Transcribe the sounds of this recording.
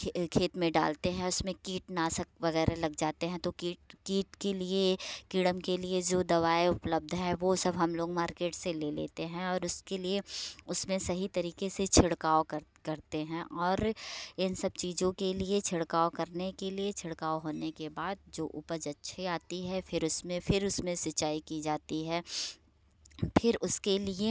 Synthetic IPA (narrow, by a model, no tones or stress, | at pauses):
kʰeːt̪mẽɖa̰ːlt̪eɦɛ̃ʊsmẽkiːʈnaːsɐk̚ʋɐɣɛːɾelɐɡd͡ʒaːt̪eɦɛ̃t̪okiːʈkiːʈkeliekiɽəmkelied͡ʒoːd̪ɐʋaːeʊpləb̚d̪ʱɦɛ̃ʋosɐbɦɐmloːɡmaːɾkeːʈseleːlḛːt̪eɦɛ̃ɔːɾʊskelieʊsmẽsɐɦit̪ɐɾiːkeset͡ʃʰɪɽkaːokɐɾkɐɾt̪eɦɛ̃ʔɔːɾɪnsɐb̚t͡ʃiːzõkeliet͡ʃʰɪɽkaːokɐɾnekeliet͡ʃʰɪɽkaːoɦoːnekebaːd̪̚d͡ʒoːʔʊːpəd͡ʒɐtːʃʰiaːt̪iɦɛfʰɪɾʊsmẽfɪɾʊsmẽsɐt͡ʃːaːikid͡ʒaːt̪iɦɛː | pʰɪɾʊskelie